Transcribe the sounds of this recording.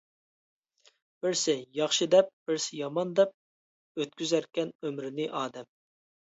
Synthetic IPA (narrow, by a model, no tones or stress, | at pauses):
b̥ɪɾsɪjɑχʃɨd̪ɛp̚b̥ɪɾsɪjɑmɑnd̪ɛp̚ | øt̪kʲyzæɾkʲɛnømɾɪnɪʔɑːd̪ɛm